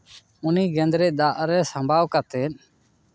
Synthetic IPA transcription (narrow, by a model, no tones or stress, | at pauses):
ʊniːɡẽːnd̪ɾeːd̪aːʔɾɛːsəmbʱaːʋkət̪eːn